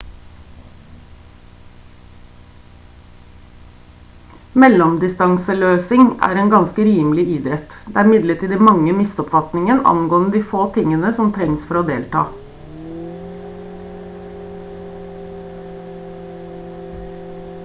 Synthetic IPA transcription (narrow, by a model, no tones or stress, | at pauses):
mɛlɔmd̪ɪst̪ɑŋsəløːsɪŋæ̰ːɾeːnɡɑnskəɾiːmlɪiːd̪ɛt̪d̪eːæːɾɪmɪd̪ləʈʰiːd̪ɪmɑŋəmɪsɔpfɑt̪nɪŋənɑ̰nɡoːnəd̪iːfoːt̪ʰɪŋənəsɔmt̪ʰɾɛŋsfɔɾoːd̪eːlt̪ʰɑ̰ː